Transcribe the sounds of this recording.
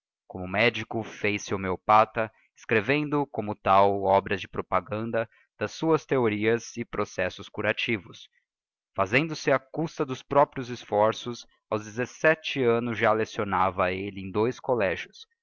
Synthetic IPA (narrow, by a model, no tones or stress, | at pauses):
kõmʊmɛd͡ʒikʊfejsɪomeopat̪ɐ | ɪskɾevẽnd̪ʊkõmʊt̪awɔbɾɐzd͡ʒɪpɾopaɡɐ̃nd̪ɐ | d̪̥ɐsːuɐst̪eoɾiɐzɪpɾosɛsʊskuɾat͡ʃivʊs | fazẽnd̪ʊsɪɐkust̪ɐd̪ʊspɾɔpɾiʊzɪsfɔɾsʊs | awzd͡ʒ̪ɪzesɛt͡ʃɪɐ̃nʊzʒalesionavɐelɪẽd̪ojskolɛʒʊs